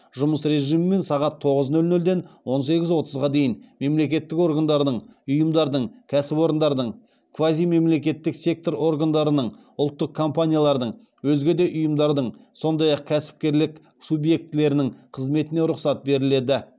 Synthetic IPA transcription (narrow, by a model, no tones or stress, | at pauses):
ʒʊməsɾe̞ʒijmɪme̞nsɑʁɑt̪ʰːo̞ʁəznɵlnɵld̪e̞nwo̞nse̞ɡʲɪzwo̞t̪əzʁɑd̪e̞jɪnme̞mle̞k̬ʲe̞t̪ːɪko̞ɾɡand̪ɑɾd̪əɴʊjəmd̪ɑɾd̪əɴkʲʰæsɪpo̞ɾənd̪ɑɾd̪əɴ | kʰvazijme̞mle̞k̬ʲe̞t̪ːɪkse̞k̚t̪o̞ɾo̞rɡand̪ɑɾənəɴ | ʊlˠt̪ːəq̚kʰo̞mpanʲijalˠɑɾd̪əɴ | wɵzɡʲe̞d̪e̞ʔʊjəmd̪ɑɾd̪əɴso̞nd̪ɑjɑq̚kʲʰæsɪ̥p̚kʲe̞ɾlɪk | subje̞k̚t̪ɪle̞ɾɪnɪŋqʰəzme̞t̪ɪne̞ɾʊqsɑt̪̚be̞ɾɪle̞d̪ɪ